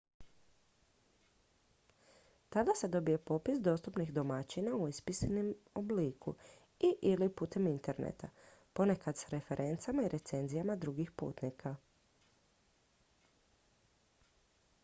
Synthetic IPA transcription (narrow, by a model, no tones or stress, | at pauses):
t̪ad̪ase̞d̪o̞bije̞po̞pisd̪o̞ːst̪upnixd̪o̞mat͡ɕinauispisnimobliːkṵ | iʔilipuːt̪e̞mint̪e̞ɾnḛt̪apo̞ne̞kad̪saɾe̞fe̞ɾʔe̞nt̪samaiɾʔe̞t̪se̞nzijamad̪ɾuɡixpṵːt̪nikʰa